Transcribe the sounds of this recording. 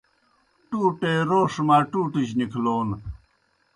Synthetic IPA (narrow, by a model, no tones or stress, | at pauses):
ʈuːʈeːɾoːʂmaːʈuːʈiɕnikʰloːn